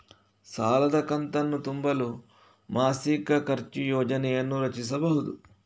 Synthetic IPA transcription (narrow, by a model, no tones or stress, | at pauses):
saːlɐd̪ɐkɐnt̪ɐnːut̪umbɐlu | maːsikɐkɐɾt͡ʃijɔːd͡ʒɐnɛjɐnːuɾɐt͡ʃis̬ɐbɐɦud̪u